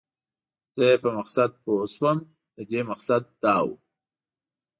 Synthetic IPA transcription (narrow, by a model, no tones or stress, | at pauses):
z̥əpəmaqsad̪̚poswəm | d̪əd̪emaqsad̪̚ːɑːwṵ